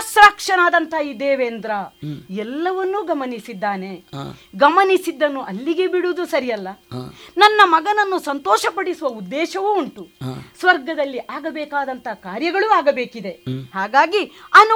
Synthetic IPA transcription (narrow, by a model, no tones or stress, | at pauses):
sɾaːkʂɐnaːd̪ɐnt̪ʰɐid̪eːʋeːnd̪ɾɐɛlːɐʋɐnːuɡɐmɐnisid̪ːaːne̞ɡɐmɐnisid̪ːɐnːuʔɐlːiɡebiɽud̪usɐɾijɐlːɐnɐnːɐmɐɡɐnɐnːusɐnt̪ɔːʃɐpɐɽisuʋɐud̪ːɛːʃɐʋuːɳʈusʋɐɾɡɐd̪ɐlːiʔaːɡɐbɛːkaːd̪ɐnt̪ʰɐkaːɾjɐɡɐɭuaːɡɐbeːkid̪e̞haːɡaːɡiɐn